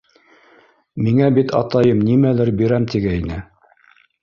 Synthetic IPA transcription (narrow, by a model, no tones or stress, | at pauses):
miŋæbit̪ʰɑ̰t̪ɑjɤmnimælɘɾbiɾæmt̪iɡæinɘ